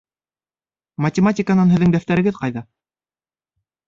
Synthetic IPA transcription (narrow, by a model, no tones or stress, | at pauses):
mɐtʲɪmatʲɪkənɑnɦɘ̆ðːɘŋd̪æft̪æɾɘ̆ɡɘðqɑjðɑ